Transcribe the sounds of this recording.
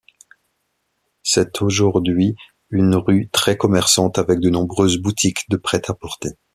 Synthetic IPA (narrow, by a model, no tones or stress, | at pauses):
sɛt̪ʰoʒuʁd̪ɥi | ynʁyt̪χɛkɔmɛʁsɑ̃t̪avɛk̚d̪ənɔ̃bʁøzbut̪ʰikd̪əpχɛt̪apɔʁt̪e